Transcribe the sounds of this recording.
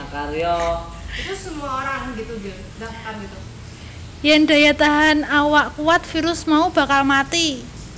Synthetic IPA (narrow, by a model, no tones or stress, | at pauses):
kalijɔ | ik̪usəmuaoɾaŋɡit̪uɡɛ | daft̪amɡit̪u | jand̪̥a̤jat̪aɦanawaʔkuwat̪̚fiɾʊsmaub̥a̤kalmat̪i